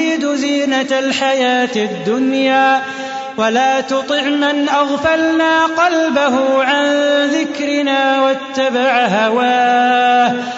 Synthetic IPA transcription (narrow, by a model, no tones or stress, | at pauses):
id̪ʊziːnalħajaːt̪ɪd̪ːʊnjaː | walaːt̪ʊt̪ˤɨʕmanʔaɣfalnaːqɑlbaɦʊʕanðɪkɾɪnaːwat̪ːabaʕɦawaːh